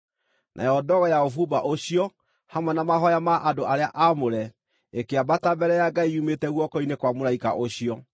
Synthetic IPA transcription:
nʔa̰jɔdɔɣɔjaofubaʔoɕiɔ | hamwɛnamaɦɔjamaʔadoʔaɾeaʔamoɾɛ | ekeabatabɛɾɛjaɡaiumetɛɣwɔkɔinekwamoɾaika̰ʔoɕiɔ

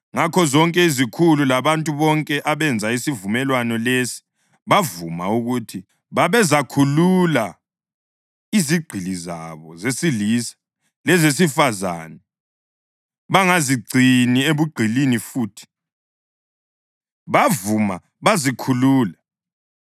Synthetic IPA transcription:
ŋakʰɔzɔŋkʼɛizikʰululaβantʼuβɔŋkʼɛʔaβɛnd͡zʱaisivumɛlwanɔlesi̥ | βavuma̰uɣutʰi | βaβɛzakʰulula | iziɡ͡ǀʱiliza̰βɔzesilisḁ | lɛzes̬ifaza̰ːnɛ | βaŋaziɡ͡ǀʱinieβuɡ͡ǀʱilinifuːtʰi̥ | βavuma | βazikʰuluːla

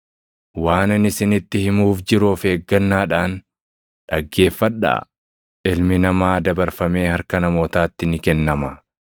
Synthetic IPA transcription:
waːnɐnɪsɪnɪt̪ːɪhɪmuːfd͡ʒɪɾufeːɡːɐnːaːᶑaːn | ᶑɐɡːe̞ːfːɐᶑa̰ː | ɪlmɪnɐmaːd̪ɐbɐɾfɐme̞ːhɐɾkɐnɐmo̞ːt̪aːt̪ːɪnɪkɛnːɐmɐ

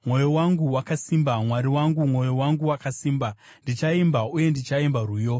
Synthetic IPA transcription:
mwo̞jowaŋɡuwakasimbamwaɾiwaŋɡumwo̞jowaŋɡuwakasiːmba | ndit͡ʃaimbauje̞ndit͡ʃaimbaruːjo̞

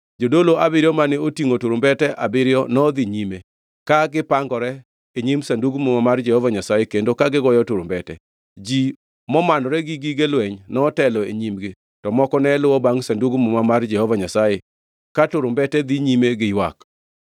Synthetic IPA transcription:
d͡ʒodoloʔabɪɾjɔmanɪotiŋotuɾombɛtɛʔabɪɾɪjɔnɔd̪iɲime | kaɡɪpaŋɡɔɾɛ | eɲimsanduɡmomamard͡ʒɛhɔvaɲasajekendokaɡɪɡɔjɔtʊɾombɛtɛ | d͡ʒi | mɔmanɔɾɛɡiɡiɡelwɛɲnɔtɛlɔeɲimɡɪ | tɔmɔkɔnɛlʊwɔbaŋsanduɡmumamard͡ʒɛhɔvaɲasaje | katʊɾʊmbɛtɛd̪iɲimeɡɪjwa̰k

